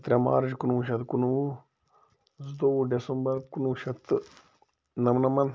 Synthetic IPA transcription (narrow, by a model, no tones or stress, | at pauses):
t̪ɾʲama̰ːɾd͡ʒkunuuʃɐt̪kunuu | zd̪oɖesɐmbɐɾkunuʃɐt̪ | nɐmnɐmɐn